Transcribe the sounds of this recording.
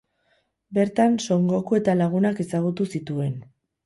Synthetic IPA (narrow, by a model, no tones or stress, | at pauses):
be̞ɾt̪anso̞ŋɡo̞kue̞t̪alaɣ̞unake̞saɣut̪usit̪ue̞n